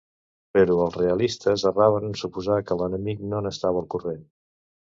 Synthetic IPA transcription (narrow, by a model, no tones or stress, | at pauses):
pəɾuəlˠreəlist̪əzəraβənsupuzakələnəmik̚nonəst̪aβəːlˠkuren